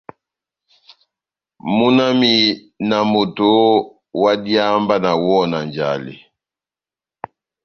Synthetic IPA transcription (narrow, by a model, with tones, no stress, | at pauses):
mu˦na˦mi˨ | na˨mo˨to˨˦ | wa˦di˦a˦mba˦na˨wɔ˦na˨nd͡ʒa̰˨lḭ˨